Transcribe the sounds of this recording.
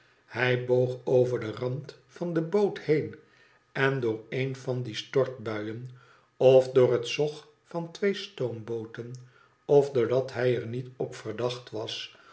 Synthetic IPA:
hɛjbowχowvəɹdərɑnt | fɑndəbowthejn | ɛndʊːɹenvɑndistɔɹt̚bœɥən | ɔfdʊːrətsɔχ | fɑntʋejstowmbowtən | ɔvdʊːɹdɑtɦɛjəɹnitɔpfəɹdɑχtʋɑs

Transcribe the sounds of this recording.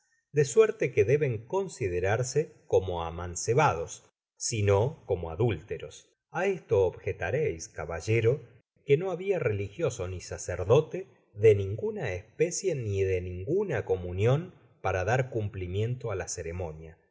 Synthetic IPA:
d̪esweɾt̪ekeðeβe̞ŋko̞nsiðeɾaɾsekomo̞a̰manseβað̞o̞sː | inoko̞mo̞a̰ðult̪eɾo̞s | aest̪o̞ːβxet̪aɾejskaβaʒeɾo̞ | keno̞aβiare̞lixjo̞so̞nisaseɾðo̞t̪e | ðe̞nĩŋɡunaespesje̞niðe̞nĩŋɡunako̞munjo̞n | paɾaðaɾkumplimje̞nt̪oalaseɾemo̞nja

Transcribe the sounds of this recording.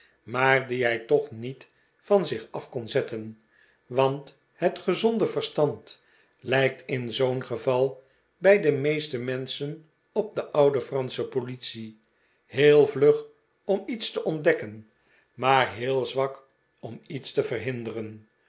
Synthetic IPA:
maːrdiɦɛjtɔχnit | fɑnzɪχɑfkɔnzɛtən | ʋɑnt | hətχəzɔndəvərstɑnt | lɛjk̚tɪnzownχəvɑlˠ | bɛjdəmejstəmɛnsən | ɔp̚dəʔʌwdəfrɑnsəpolitsi | heːlˠvløχ | ɔmitstəʔɔndɛkən | maːrɦɪːlˠzʋɑk | ɔmitstəvərɦɪndərən

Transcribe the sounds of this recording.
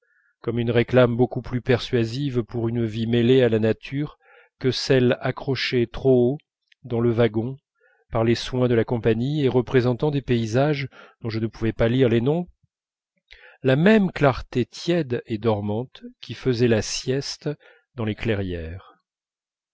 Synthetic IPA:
kɔmynʁeklambokuplypɛʁsɥazivpuʁynvimelealanat̪ʰyʁ | kəsɛlakχɔʃet̪χoo | d̪ɑ̃ləvaɡɔ̃ | paʁleswɛ̃d̪əlakɔ̃paɲieʁəpχezɑ̃t̪ɑ̃d̪epeizaʒd̪̥ɔ̃ʒənəpuvɛpaliʁlenɔ̃ | lamɛmklaʁt̪et̪jɛd̪ed̪ɔʁmɑ̃t̪kʲʰifəzɛlasjɛst̪ | d̪ɑ̃leklɛʁjɛːʁ

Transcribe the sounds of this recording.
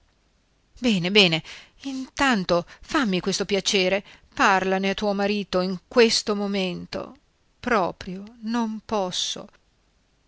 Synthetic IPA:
bɛːnebɛːneint̪ant̪ofamːikwest̪opjat͡ʃeːɾeparlaneat̪ːuːomaɾiːt̪oiŋkwest̪omoment̪o̰ | pɾɔːpɾjonompɔsːo̰

